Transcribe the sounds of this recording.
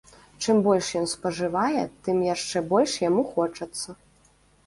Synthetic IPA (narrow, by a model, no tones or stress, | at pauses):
t͡ʂɨmbɔlʲʂjɔnspɐʐɨvajɛt̪ɨmjaʂt͡ʂɛbɔlʲʂjamuxɔt͡ʂɐt̪sːɐ